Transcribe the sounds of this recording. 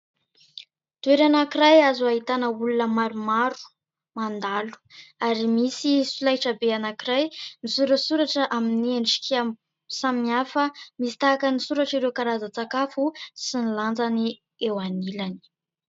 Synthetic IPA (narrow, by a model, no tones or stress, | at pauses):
t̪ueɾanakiɾajazuaɦit̪anəulunəmaɾumaɾu̥ | mand̪alu̥aɾimisifilajʈ͡ʂəbeanakiɾajnisuɾəsuɾaʈ͡ʂəʔaminieɳʈ͡ʂi̥ka | samiafəmisi̥t̪aːkənisuɾaʈ͡ʂiɾewkaɾazət͡sakafusiniland͡zani | ewanilani̥